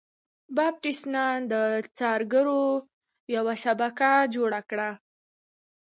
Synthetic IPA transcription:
bɑb̚ʈisnɑnd̪ət͡sɑɾɡəɾo | jawaʃabakad͡ʒoɽakɽa

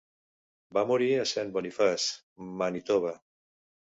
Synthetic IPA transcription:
bamuɾiasɛnbonifas | manit̪oβa

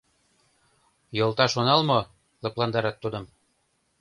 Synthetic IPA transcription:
jŏlˠt̪ɑʃonɑlmo | lɤ̆plˠɑnd̪ɑɾɑt̪ːud̪ɤ̆m

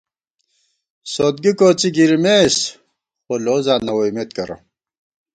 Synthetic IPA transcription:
sot̪̚ɡikoːt͡siɡiɾimes | xoloːzaːnɐwoimet̪̚kɐɾo̰

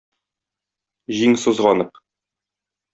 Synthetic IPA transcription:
ʑiŋsŏzʁɑnɤq

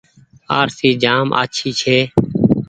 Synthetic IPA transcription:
aːɾsiːd͡ʒaːmʔa̰ːt͡ʃʰiːt͡ʃʰeː

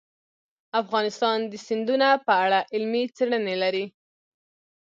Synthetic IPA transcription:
afɣɑnɪst̪ɑnd̪əsɪnd̪unapəaɽaʔɪlmit͡seɽənelaɾi

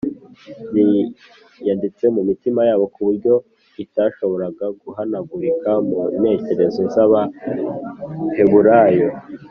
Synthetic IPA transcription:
ni | jandit͡se̞mumitimajaːβo̞kuβuɾɟo̞ | itaʃo̞βo̞ɾaɡaɡuɦanaɡuɾikamune̞ːce̞ɾe̞zonsaβa | he̞βuɾajo

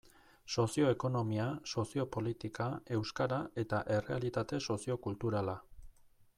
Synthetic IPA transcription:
so̞sio̞eko̞no̞miaso̞sio̞po̞lit̪ikae̞wskaɾae̞t̪aʔe̞re̞alit̪at̪e̞so̞sio̞kult̪uɾala

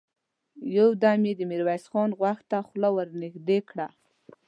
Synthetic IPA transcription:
jawd̪amjed̪əmiɾwajsxɑnɣwaxt̪axlawəɾnɪxd̪ekɽa

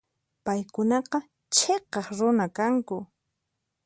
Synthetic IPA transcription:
pajkʊnɑqɑ | t͡ʃʰeqɑχɾʊnakaŋkʊ

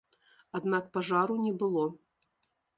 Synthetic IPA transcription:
ad̪nakpaʐaɾunʲɛbɨlˠɔ

